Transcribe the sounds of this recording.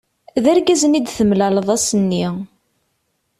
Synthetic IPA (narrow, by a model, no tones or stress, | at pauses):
ðæɾɡæzənid̪θəmlæləðˤæsənːi